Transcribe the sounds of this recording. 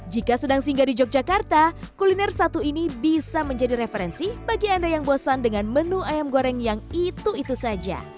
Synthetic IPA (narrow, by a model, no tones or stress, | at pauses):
d͡ʒikasədaŋsiŋɡadid͡ʒɔk̚d͡ʒakart̪akulinɛrsat̪uinibisaməɲd͡ʒadiɾefeɾɛnsibaɡiandajaŋbosandəŋanmənuajamɡoɾɛŋjaŋit̪uit̪usad͡ʒa̰